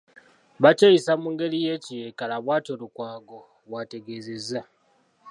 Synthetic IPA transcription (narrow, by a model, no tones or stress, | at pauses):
βacejisamuŋɡe̞lije̞cijekalaβwaːtolukwaːɡo̞ | βwate̞ɡe̞zeza